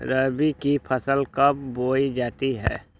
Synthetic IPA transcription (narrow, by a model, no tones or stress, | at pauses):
ɾəbikipʰəsəlkəp̚boːid͡ʒaːt̪iɦɛ̰ː